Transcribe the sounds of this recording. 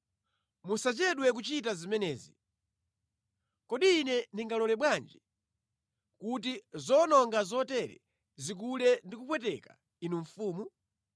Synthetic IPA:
musat͡ʃɛɗwɛk̬ut͡ʃitazimɛnɛːzi | kɔɗiːnɛniŋɡalɔlɛɓwand͡ʒi | kut̬izɔnɔŋɡazɔtɛɾɛ̰ | zik̬ulɛndikupwɛtɛka | inuɱfuːmu

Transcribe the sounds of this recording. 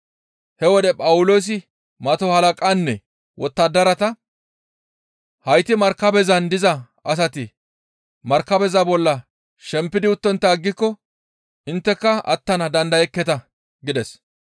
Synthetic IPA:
hɛwɔd̪ɛpʼɐwʊloːs̬ɪ | mɐt̪ɔhɐlɐkʼanːɛ | wɔt̪ːɐd̪ːɐɾɐt̪ɐ | hɐjt̪ɪmɐɾkːɐbɛzɐnd̪ɪzɐ | ɐs̬ɐt̪ɪ | mɐɾkːɐbɛzɐbɔlːɐ | ʃɛmpːɪd̪ɪʊt̪ːɔnt̪ːɐːɡːɪkːɔ | ʔɪnt̪ːɛkːɐɐ̰t̪ːɐnɐd̪ɐnd̪ɐjɛkːɛt̪ɐ | ɡɪd̪ɛs

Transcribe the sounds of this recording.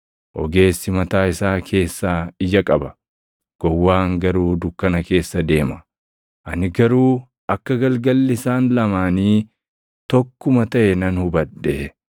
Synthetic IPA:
ʔɔ̰ɡe̞ːsːɪmɐt̪aːɪsaːkʰe̞ːsːaːɪjɐkʼɐbɐ | ɡ̥ɔwːaːŋɡɐɾuːd̪ʊkːɐnɐke̞ːsːɐd̪e̞ːmɐ | ʔɐnɪɡɐɾuː | ʔɐkːɐɡɐlɡɐlːɪsaːnlɐmaːniː | t̪ɔkːʊmɐt̪ɐʔɛnɐnhʊbɐɗːɛ

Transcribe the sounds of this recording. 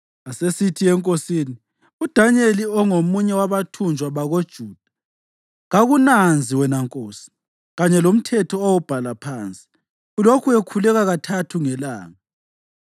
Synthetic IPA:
asesitʰiɛŋkʼosiːni | ud̥ʱaɲeliɔŋomuɲɛwaβatʰund͡ʒʱwaβaɣod̥ʒ̥ʱuːd̥ʱḁ | ɣaɣunand͡zʱiwɛnaŋkʼoːsi̥ | ɣaɲɛlom̩tʰɛtʰɔawub̥ʱalapʰaːnt͡sʼi̥ | ulokʰuekʰulɛɣaɣatʰatʰuŋɛlaːŋa

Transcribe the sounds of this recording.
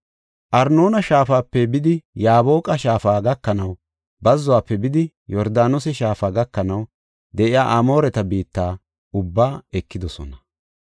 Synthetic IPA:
ʔɐɾno̞ːnɐʃaːfaːpːɛbɪd̪ɪjaːbo̞ːkʼɐʃaːfaːɡɐkːɐnɐw | bɐzːʊwaːpːɛbɪd̪ɪ | jɔɾd̪aːnʊsɛʃaːfaːɡɐkːɐnɐw | d̪ɛʔɪja̰ːʔɐmo̞ːɾɛt̪ɐbiːt̪ːaː | ʊbːaːɛkːɪd̪ɔsɔ̰nɐ

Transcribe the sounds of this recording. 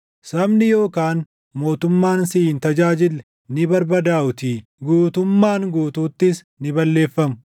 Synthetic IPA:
sɐbnɪjo̞ːkaːn | mo̞ːt̪ʊmːaːnsɪnt̪ɐd͡ʒaːd͡ʒɪlːɛ | nɪbɐɾbɐd̪aːʔʊt̪iːɡuːt̪ʊmːaːŋɡuːt̪uːt̪ːɪs | nɪbɐlːe̞ːfːɐmʊ

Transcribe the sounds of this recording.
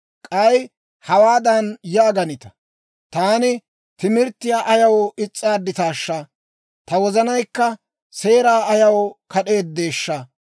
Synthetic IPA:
kʼɐj | hɐwaːd̪ɐnjaːɡɐnɪt̪ɐ̥ | t̪aːnɪ | t̪ɪmɪɾt̪ːɪjaːʔɐjɐwɪt͡sʼːaːd̪ːɪt̪aːʃːɐ | t̪ɐwɔzɐnɐjkːɐ | se̞ːɾaːɐjɐwkɐɗe̞ːt̪̚d̪e̞ːʃːɐ

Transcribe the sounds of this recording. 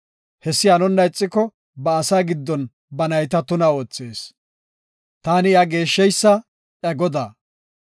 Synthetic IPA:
hɛsːɪjaːnɔnːɐjt͡sʼːɪkːɔ | bɐːsaːɡɪd̪ːɔn | bɐnɐjt̪ɐt̪ʊnɐo̞ːt͡sːeːs | t̪aːnɪjaɡe̞ːʃːɛjsːɐ | ʔɐɡɔd̪aː

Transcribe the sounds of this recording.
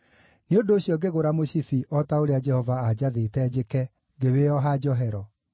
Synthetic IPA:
neondoːɕjɔɡeɣoɾamoɕifiʔɔtaoɾead͡ʒɛhɔvaːd͡ʑaðetɛd͡ʑekɛ | ŋɡeweɔɦad͡ʒɔɦɛɾɔ

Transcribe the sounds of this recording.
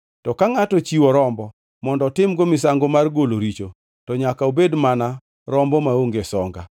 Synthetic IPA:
tɔkaŋatɔt͡ʃiwɔɾɔmbɔ | mɔndɔtɪmɡomɪsaŋɡomarɡoloɾit͡ʃo | tɔɲakaobedmana | ɾɔmbɔmaoŋɡesɔŋɡa̰

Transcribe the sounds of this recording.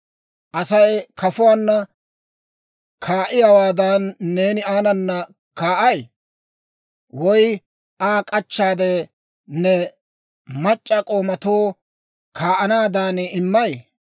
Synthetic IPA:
ʔɐsɐjkʰɐfʊwaːnːɐ | kʰaːʔɪjɐwaːd̪aːnːeːnɪaːnɐnːɐ | kaːʔɐj | wɔj | ʔaːkʼɐt͡ʃːaːd̪e | nɛ | mɐt͡ʃʼːɐkʼoːmɐt̪oː | kʰaːʔɐnaːd̪aːnɪmːɐj

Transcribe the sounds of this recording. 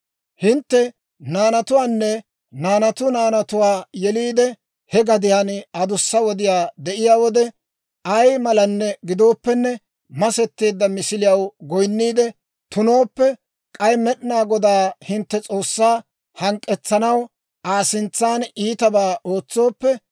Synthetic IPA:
hɪnt̪ːɛ | naːnɐt̪ʊwaːnːɛ | naːnɐt̪ʊnaːnɐt̪ʊwaːjɛliːd̪ɛ | hɛɡɐd̪ɪjaːnɐd̪ʊsːɐwɔd̪ɪjaːd̪ɛʔɪjaːwɔd̪ɛ | ɐjmɐlɐnːɛɡɪd̪o̞ːpːɛnːɛ | mɐsɛt̪ːe̞ːd̪ːɐmɪsɪlɪjɐwɡɔjnːiːd̪ɛ | t̪ʊno̞ːpːɛ | kʼɐjmɛɗɪnaːɡɔd̪aːhɪnt̪ːɛt͡sʼo̞ːsːaː | hɐŋkʼːɛt͡sːɐnɐw | ʔaːsɪnt͡sːaːniːt̪ɐbaːʔo̞ːt͡sːo̞ːpːɛ

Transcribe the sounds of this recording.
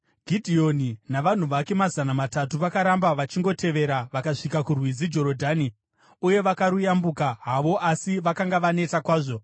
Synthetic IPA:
ɡʱidʱio̞ninaʋan̤uʋake̞mazanamatatuʋakaɾambaʋat͡ʃiŋɡo̞tʰe̞ʋe̞ɾaʋakaʂikakurwid͡zid͡ʒo̞ɾodʱaːni | uje̞ʋakaɾujambukaɦaʋo̞ʔasiʋakaŋɡaʋane̞takwaːʐo̞

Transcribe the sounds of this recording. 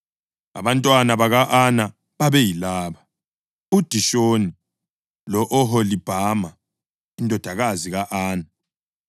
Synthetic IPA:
a̰βantʼwanaβaɣaʔana | βaβɛjilaːβa | ud̥ʱiʃoni | lɔʔɔɦolib̥ʱama | indʱɔd̥ʱaɣaziɣaʔaːna

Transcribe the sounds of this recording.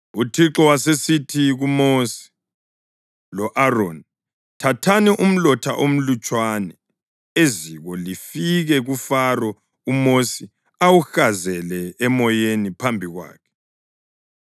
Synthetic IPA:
utʰiǁɔwasesitʰiɣumosi̥ | lɔʔaron | tʰatʰanɛʔum̩lɔtʰa̰ʔom̩lut͡ʃʼwanɛ | eziɣɔlifiɣɛɣufarɔ | umosi | awuxazɛlɛɛmɔjenipʰambʱiɣwa̰ːkʰɛ̥

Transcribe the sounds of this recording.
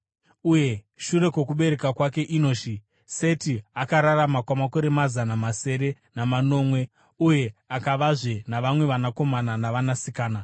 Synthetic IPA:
uje̞ | ʃuɾe̞kwe̞kuɓe̞ɾe̞kakwake̞ʔino̞ːʃi | se̞tiakaɾaramakwamako̞ɾe̞mazanamase̞ɾe | namano̞ːmwe̞ | uje̞akaʋaʐenaʋamwe̞ʋanako̞mananaʋanasikaːna

